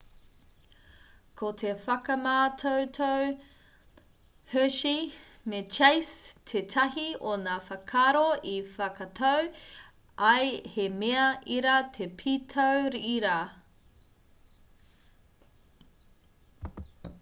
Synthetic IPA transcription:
kʰotʰefɐkɐmaːtʰowtʰow | høʃi | met͡ʃejstʰetʰɐɦionaːfɐkʰaɾoifɐkɐtʰɐw | ɐjhemeɐʔiɾɐt̪ʰepʰitʰowɾiʔiɾa

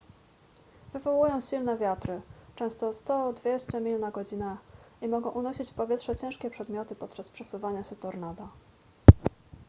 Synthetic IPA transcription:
v̥ɘvɔwujɔ̃w̃ɕilnɛvʲjat̪ɾɘt͡ʂɛ̃w̃st̪ɔst̪ɔd̪vʲjeɕt͡ɕɛmʲilnaɡɔd͡ʑinaimɔɡɔ̃w̃ʔunɔɕit͡ɕpɔvʲɛtʂɛt͡ɕɛ̃w̃ʂkʲɛpʂɛd̪mʲjɔt̪ɘpɔt̪̚t͡ʂaspʂɛsuvaɲaɕɛt̪ɔɾnad̪a

